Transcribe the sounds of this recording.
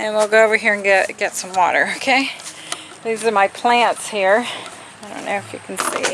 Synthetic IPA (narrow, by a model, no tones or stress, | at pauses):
ɨ̃nwilˠɡoʊoʊvə˞ɦiɹɨ̃nɡɛtɡ̥ɛtsʌ̃mwɔ̰ɾə̰˞oʊkʰeɪ | ðizə˞maɪpʰl̥æ̃ntshiɹ | aɪdõ̰ʊ̃nːoʊɨfjɨ̰kʰn̩sḭ